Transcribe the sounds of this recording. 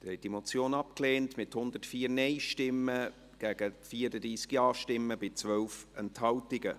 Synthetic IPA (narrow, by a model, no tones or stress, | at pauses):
d̥əɾhɛt̚d̥imot͡sjoːnɑp̚kleːntmɪthʊnd̪ətfiːɾnɛɪʃtɪmːə | ɡ̥æɡ̥əfiːəɾədiːsɡjɑːʃtɪmːəb̥ɪt͡svœwfɛnthɑltɪɡə